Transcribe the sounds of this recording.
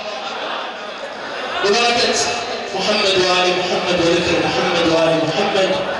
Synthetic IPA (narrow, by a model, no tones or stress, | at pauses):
wɪbaɾkat̪mʊħamːɐd̪waːlimʊħamːɐd̪wɐlɪd̪ɐlmʊħamːɐd̪waːlimʊħamːɐd̪̚